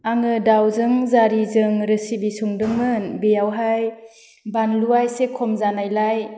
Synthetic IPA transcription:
aŋɯdawzɯŋzaɾizɯŋɾɯsibisuŋdɯŋmɯnbejawɦaj | banluajsekʰɔmzanajlaj

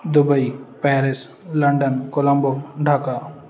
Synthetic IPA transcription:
d̪ʊbəipɛːɾɪs | lɐɳɖənkolɐ̃mboɖʱaka

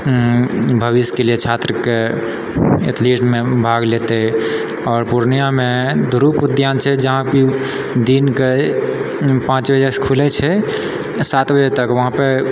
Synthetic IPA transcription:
bʱəbiskeliet͡ʃʰat̪ɾəke | et̪ʰliʈmebʱaɡlet̪ɛ | ɔːɾpuɾnijamed̪uɾupud̪jant͡ʃʰɛd͡ʒəɦãbi | d̪inke | pãt͡ʃbəd͡ʒəskʰulɛt͡ʃʰɛ | sat̪bəd͡ʒɛt̪əkʋəɦãpe

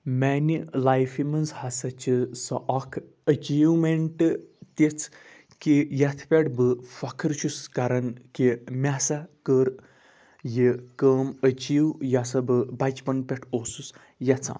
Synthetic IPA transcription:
mɛnilajfimɐnzhasat͡ʃisɔ̰ʔakʰ | ət͡ʃiːʋwmeɳʈt̪et͡sʰ | kijat̪ʰpʲaʈbɨfɐkʰəɾt͡ʃʰuskaɾɐnkimʲasakəɾ | jikəːmət͡ʃiːwjasɐbɨbad͡ʒpɐnpʲɛʈʰosus | jat͡sʰã̰

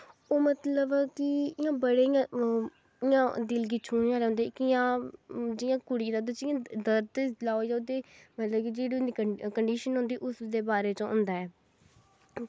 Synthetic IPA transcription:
oːmət̪ləbkɪɪjãːbəɽeːɪjãː | ɪjãːd̪ɪlɡit͡ʃʰuːnjãːɾeːɦʊ̃nd̪eːkɪjãːd͡ʒɪjãːkʊɽiːd̪aːd̪ed͡ʒɪːãːd̪əɾd̪laːojaot̪eːmət̪ləbkid͡ʒeːɽiːʊnd̪ikəɳɖiːʃənɦʊ̃nd̪iːʔʊsd̪eːbaːɾeːt͡ʃõːɦʊ̃nd̪aːɛː

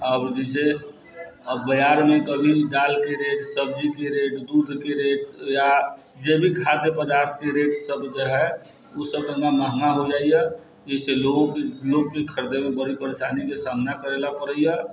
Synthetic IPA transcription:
abɾd͡ʒise | bəd͡ʒaɾmẽkəbʱiɖaːlkeɾeʈsəb̚d͡ʒikeɾeʈd̪ud̪ʱkeɾeːʈja | d͡ʒebʱikʰat̪epəd̪aːɾt̪ʰkeɾeʈsəbd͡ʒəɦɛ | usəb̚kəɡamaɦŋaɦod͡ʒaːija | d͡ʒəseloɡkloɡkekʰəɾd̪emẽbəɽipəɾeʃanikesamnakəɾelapəɾəija

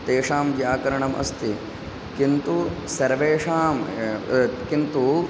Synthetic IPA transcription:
t̪eːʂaːmʋjaːkɐɾɐɳɐmʔɐ̰st̪i | kint̪usɐɾʋeːʂaːm | kint̪u

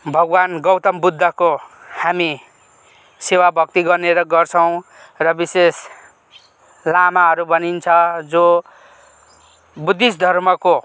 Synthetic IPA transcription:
bʱʌɡwanɡʌwt̪ʌmbud̪ʱːʌko | hami | sewabʱʌk̚t̪iɡʌrneɾʌɡʌrt͡sʰʌw̃ | rʌbises | lamaɦʌɾubʱʌnint͡sʰʌd͡zo | bud̪ːisd̪ʱʌrmʌko

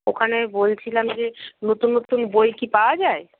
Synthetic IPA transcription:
okʰanebolt͡ɕʰilamd͡ʑenot̪unːot̪unbojkipaoad͡ʑae

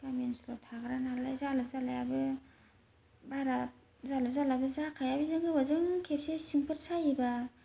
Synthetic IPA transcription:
kamensulotʰaɡɯɾanalajzalɯp̚zalajabɯ | baɾa | zalɯp̚zalabɯzakʰajabinɯɡɯwazɯŋkʰep̚sesiŋpʰɯɾsajiba

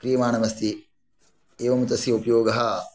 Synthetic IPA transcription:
kɾijɐmaːnɐʋɐst̪i | eːʋɐmut̪ɐsjɐupɐjoːɡɐɦɐ

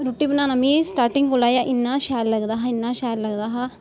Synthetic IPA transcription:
ɾuʈiːbənãːnamĩːsʈaːɾʈɪ̃ŋɡkolaːjaːʔɪnːãːʃaːlləɡd̪aːɦaːɪnːaːʃaːlləɡd̪aːɦaː

